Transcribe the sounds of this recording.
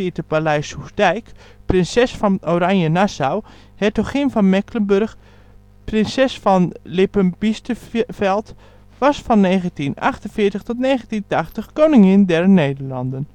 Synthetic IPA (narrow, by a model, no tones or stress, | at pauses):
ɪətəpalɛjsusdɛjk | prɪnsɛsfɔnoɾaɲjənasaw | hɛt̚oxɪnfɔnmɛklənbørx | prɪnsɛsfɔnlɪpənbistəfɛlˠt | ʋɔsfɔnːeːɣəntina̰xtənfɪːɹtəxtɔtneːɣəntintaxtəxkoːnɪŋɪndɛrneːdəɹlɑndən